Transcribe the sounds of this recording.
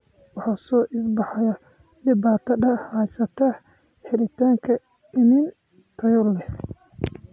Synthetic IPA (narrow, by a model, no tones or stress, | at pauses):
wɑħɑːsɔːʔɪsbɑħɑjɐ | ɖɪbaːt̪ʰɐd̪ɐajsɐt̪ʰɐ | ħɪlɪt̪ʰaːŋkʰɐ | ɪmɪn | t̪ʰɐjɔlɛ